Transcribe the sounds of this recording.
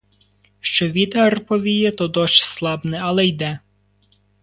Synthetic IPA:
ʃt͡ʃɔʋʲit̪ɐrpɔʋʲijɛt̪ɔd̪ɔʃslˠɑbnɛɐlˠɛjd̪ɛ

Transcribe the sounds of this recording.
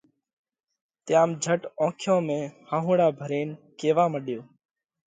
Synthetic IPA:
t̪ɪjaːmd͡ʒʱəʈõːkʰjõːmẽːhaːɦũːɽaːbʱəɾeːnkeːʋaːməɗjoː

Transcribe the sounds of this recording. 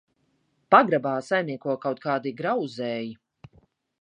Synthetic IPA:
paɡɾabaːsajmniɛkuɔkawt̪̚kaːd̪iɡɾawzɛːji

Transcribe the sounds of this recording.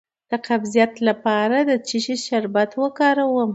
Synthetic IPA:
d̪̥əqabzijat̪lapɑɾad̪ət͡ʃiʃiʃaɾbat̪wəkɑɾawəm

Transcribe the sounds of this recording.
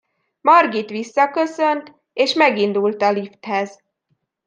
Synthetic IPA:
mɒrɡit̪ʋisːɒkø̞sø̞nt̪ | eːʃmɛɡind̪ult̪ɒlift̪hɛz

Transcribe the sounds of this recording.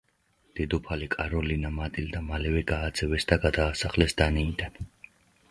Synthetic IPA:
d̪̥id̪upʰalikʼaɾɔlinamat̪ʼild̪amalɛvɛɡaːd̪z̥ɛvɛsd̪aɡad̪aːsaχlɛsd̪aniːd̪an

